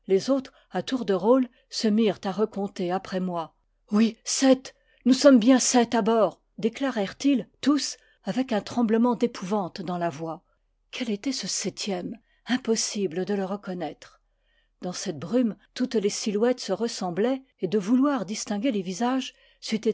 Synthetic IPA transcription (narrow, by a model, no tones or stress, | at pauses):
lezot̪χ | at̪uʁd̪əʁol | səmiʁt̪aʁəkɔ̃t̪eapχɛmwa | wisɛt̪ | nusɔmbjɛ̃sɛt̪abɔːʁ | d̪eklaʁɛʁt̪ilt̪us | avɛkɛ̃t̪χɑ̃bləmɑ̃d̪epʰuvɑ̃t̪d̪ɑ̃lavwa | kʰʲɛlet̪ɛsəsɛt̪ʰjɛm | ɛ̃pɔsibləd̪ələʁəkɔnɛt̪χ | d̪ɑ̃sɛt̪̚bʁymt̪ut̪lesilwɛt̪səʁəsɑ̃blɛ | ed̪əvulwaʁd̪ist̪ɛ̃ɡʲelevizaʒ | sɥit̪e